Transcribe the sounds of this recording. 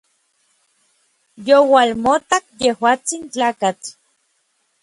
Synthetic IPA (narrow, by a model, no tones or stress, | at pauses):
jowalmot̪akjehwaːt͡sint͡ɬaːkat͡ɬ